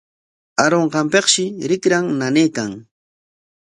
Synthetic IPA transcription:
aɾoɴɢɑmpeqʃɪɾɪkɾaŋnaneːkaŋ

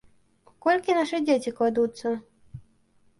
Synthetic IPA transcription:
kɔlʲkʲinaʂɨd͡zʲet͡sʲiklad̪ut̪sːɐ

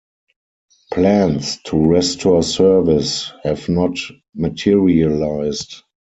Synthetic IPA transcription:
pʰlæ̃nstʰuɹɛstʰɔsɜ˞vɪshɛvnɔt | mətʰiɹiəlaɪst

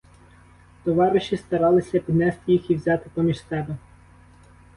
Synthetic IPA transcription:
t̪ɔʋɑɾɪʃist̪ɐɾɑlˠɪsʲɐpʲid̪nɛst̪ɪjixiwzʲɑt̪ɪpɔmʲiʃsɛbɛ

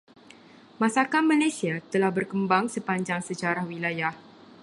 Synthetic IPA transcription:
mãsakanmalasiat̪əlahbərkəmbaŋsəpaɲd͡ʒaŋsət͡ʃaɾahwilajah

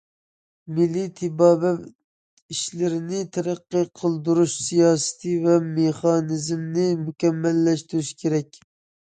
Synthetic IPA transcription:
mɪlːit̪ʰɪbɑːbɛ | iʃlɪɾɪnɪt̪ʰæɾæqːɨqʰəlˠd̪uɾuʃsijɑːsɨ̥t̪ʰɨvɛmeχɑnɪzmnɪmukʲɛmːɛlːɛʃt̪yɾyʃkʲʰeɾɛk̚ʲ

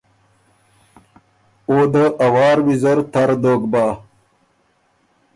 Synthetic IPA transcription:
od̪əʔɐwɑːɾwizɐɾt̪ɐɾd̪oːɡbaː

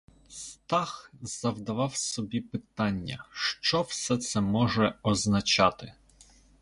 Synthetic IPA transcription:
st̪ɑxz̥ɐwd̪ɐʋɑwsɔbʲipɪt̪ɑnʲːɐ̰ʃt͡ʃɔwsɛt̪sɛmɔʒɛɔznɐt͡ʃɑt̪ɪ

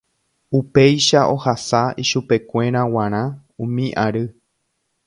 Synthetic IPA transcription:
upe̞jʃaʔo̞hasaiʃupe̞kʷe̞ɾ̃ãw̃ãɾ̃ã | ũmĩʔaɾɨ

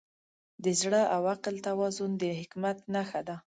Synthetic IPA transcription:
d̪əzɽəʔawaqəlt̪awɑzʊnd̪əhɪkmat̪naxad̪a

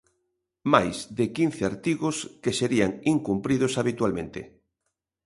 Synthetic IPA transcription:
majzðɪkin̟θeaɾt̪iɣoskeseɾiaŋiŋkumpɾiðʊsaβit̪walmẽnt̪ɪ̰

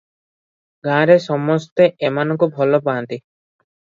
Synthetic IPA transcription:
ɡãɾesɔmɔst̪eʔemanɔŋkubʱɔlɔpant̪i

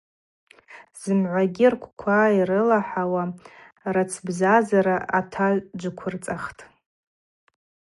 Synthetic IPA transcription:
z̥ɨmʕʷaɡʲirkʷʰkʷʰairɨlaħawa | rat͡sʰbzazaɾaatʰad͡ʒʷɨkʷʰʊrt͡sʼaχtʼ

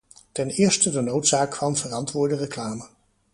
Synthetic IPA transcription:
tɛnɪːɹstədənowtsaːkfɑmvərɑntʋʊːɹdərəklaːmə

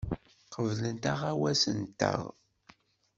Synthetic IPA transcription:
qəvlənt̪aʁawæsənt̪ːə̰ʁ

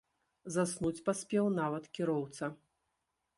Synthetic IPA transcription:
zasnut͡sʲpasʲpʲɛwnavɐt̪kʲiɾɔwt̪sɐ

